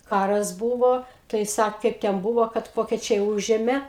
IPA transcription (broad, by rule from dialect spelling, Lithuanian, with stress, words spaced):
ˈkɑːrɐs ˈbuːʋoː tɐɪ ˈsɐk ˈkɐɪp tʲɛn ˈbuːʋoː kɐt ˈʋoːkʲɛt͡ʃʲɛɪ ˈuːʒʲeːmʲeː